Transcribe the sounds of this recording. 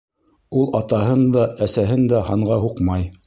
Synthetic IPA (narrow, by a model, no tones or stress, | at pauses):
ulˠɑt̪ɑɦɤnd̪ɑʔæsæɦɘnd̪æhɑɴʁɑɦuqmɑj